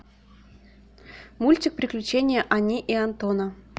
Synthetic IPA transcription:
mulʲtʲik̚pɾʲɪklʲʉt͡ɕenʲɪjəʔanʲiʔiant̪onə

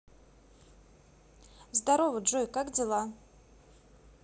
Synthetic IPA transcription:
zd̪aɾovəʐɔjkakd͡zʲɪlˠa

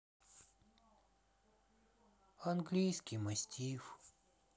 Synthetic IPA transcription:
ɐnɡlʲijskʲijmɐsʲtʲʰif

